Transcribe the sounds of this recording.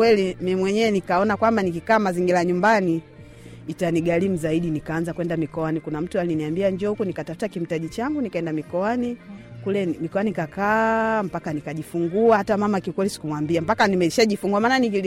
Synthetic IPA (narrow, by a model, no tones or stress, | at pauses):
wɛlimimwɛɲɛnikaɔnakwambanikikaːmaziŋɡilaɲumbaniː | taniɡalim̩zaiɗinikaːnzakwɛndamikɔwanikunam̩tualiniambiaɲd͡ʒɔhukunikatafu̥takim̩taʄit͡ʃaŋɡunikaɛndamikɔanikulɛmikɔanikakam̩pakanikaʄifuŋɡuahatamamakiukwɛlisi̥kumwambiam̩pakanimɛʃaʄifuŋɡuamaːnanikili